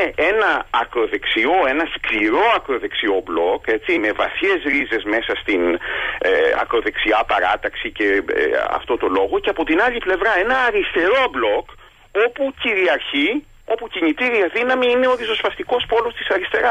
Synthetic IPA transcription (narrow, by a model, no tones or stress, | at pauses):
ee̞nɐɐkɾo̞ðe̞ksio̞e̞nɐskliɾo̞ɐkɾo̞ðe̞ksio̞blo̞ke̞t͡ssime̞vɐ̰θçe̞zɾize̞zme̞sɐst̪in | ɐ̰kɾo̞ðe̞ksiɐpɐɾɐt̪ɐksice̞̰ɐ̰ft̪o̞t̪o̞lo̞ɣo̞ce̞ɐpo̞t̪inɐʎiple̞vɾɐe̞nɐːɾist̪e̞ɾo̞blo̞k | o̞puciɾiɐɾçi | o̞puciɲit̪iɾiɐðinɐmiine̞oðiso̞spɐst̪iko̞spo̞lo̞st̪i̥sɐɾist̪e̞ɾɐ